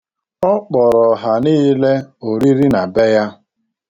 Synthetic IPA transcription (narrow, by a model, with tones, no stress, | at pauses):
ɔ˦k͡pɔ˨ɾɔ˨ɦa˨niː˦le˦o˨ɾi˦ɾi˦na˨be˦ja˦